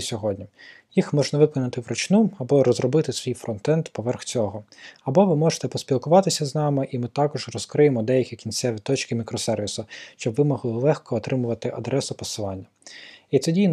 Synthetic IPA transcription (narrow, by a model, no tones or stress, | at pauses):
sʲɔɦɔdʲnʲi | jixmɔʒnɐʋɪkɔnɐt̪ɪʋɾɔt͡ʃnuɐbɔɾɔzɾɔbɪt̪ɪsʋʲijfɾɔnt̪ɛnt̪pɔʋɛrxt͡sʲɔɦɔɐbɔʋɪmɔʒe̥t̪ɛpɔspʲilˠkʊʋɑt̪ɪsʲɐznɑmɪʔimɪt̪ɑkɔʒrɔskɾɪjemɔd̪ɛjɐkʲikʲinsʲɛʋʲit̪ɔt͡ʃkɪmʲikɾɔsɛrʋʲisʊʃt͡ʃɔbʋɪmɔɦlˠɔlˠɛxkɔːt̪ɾɪmʊʋɐt̪ɪʔɐd̪ɾɛsʊpɔsɪlˠɑnʲːɐit̪sɛdʲijn